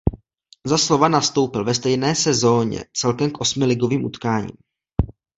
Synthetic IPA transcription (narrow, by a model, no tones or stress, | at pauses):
zaslo̞vanast̪o̞wpɪlvɛst̪ɛjnɛːsɛzo̞ːɲɛ̰t͡sɛlkɛmkʔo̞smɪlɪɡo̞viːmʔut̪kaːɲḭːm